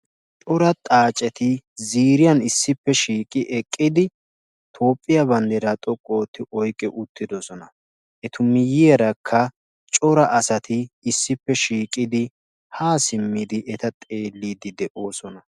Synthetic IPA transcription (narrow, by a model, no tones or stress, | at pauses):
t͡ʃʼɔɾɐt̪ʼaːt͡ʃʼɛt̪ɪziːɾɪjɐnɪsːɪpːɛʃiːkʼɪʔɛkʼːɪd̪ɪ | t̪ʰo̞ːpʼːɪjɐbɐnd̪ɛɾɐt̪ʼɔkʼːo̞ːt̪ːɪʔɔjkʼːɛʔʊt̪ːɪd̪ɔsɔnɐ | ʔɛt̪ʊmɪjɪjɛɾɐkʰːɐ | t͡ʃʼɔɾɐʔɐsɐt̪ɪːsːɪpːɛʃiːkʼɪd̪ɪ | haːsɪmːɪd̪ɪʔɛt̪ɐt̪ʼe̞ːlːiːd̪ɪd̪ɛʔo̞ːsɔnɐ